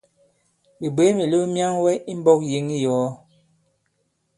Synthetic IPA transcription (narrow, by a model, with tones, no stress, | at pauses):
bi˨be˨˦mi˨lə˦mja˦ŋwɛ˦i˦m˦bɔ˦k̚ji˨˦ŋi˦jɔ˨˦